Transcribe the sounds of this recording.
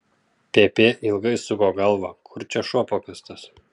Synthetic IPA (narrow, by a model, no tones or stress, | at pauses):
pʲeːpʲeːʔɪlˠɡɐɪsʊɡoːɡɐlˠʋɐkʰʊɾʲt͡ʃʲɛʃoːpoːkʲɐst̪ɐs